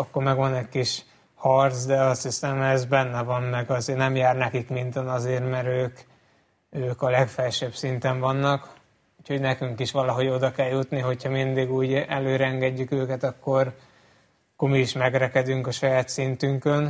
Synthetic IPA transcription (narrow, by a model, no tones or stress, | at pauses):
ɒkːo̞rmɛɡʋɒnɛcʲkiʃ | hɒrt̪sd̪ɛɒst̪hisɛmɛzbɛnːɛvɒmmɛɡɒzeːrnɛmjaːrnɛkikmint̪ɛnɒzeːrmɛɾøːk | øːkɒlɛkfɛlʃɛbsint̪ɛɱvɒnːɒk | uːcho̞ɟnɛkyŋkiʃʋɒlɒɦo̞ɟo̞d̪ɒkɛljut̪niɦo̞cʰhɒmind̪iɡuːɟɛløːɾɛɛŋɡɛɟːykøːkɛt̪ɒkːo̞r | kːormiːʃmɛɡɾɛkɛd̪yŋkɒʃɒjaːt̪sint̪yŋkøn